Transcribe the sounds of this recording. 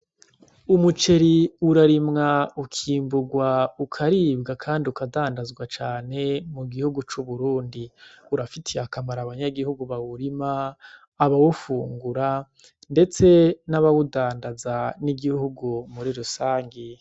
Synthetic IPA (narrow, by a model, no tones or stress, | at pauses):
umut͡ʃe̞ɾiuɾaɾimŋaukʰiːmbuɡwaukʰaɾiːbɡakʰaːndiukadaːndazɡwat͡ʃaːne̞muɡihuɡut͡ʃuβuɾuːndiuɾafitʰiakamaɾaβaɲaɡihuɡuβawuɾimaː | βawufuːŋɡuɾa | nde̞t͡se̞naβawudaːndazaniɡihuɡumuɾiɾusaːŋɡi